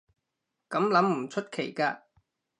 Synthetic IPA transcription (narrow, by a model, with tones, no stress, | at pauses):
kɐ˨˥mlɐ˨˥mm̩˨˩t͡ʃʰɵ˥t̚kʰe˨˩jkaː˧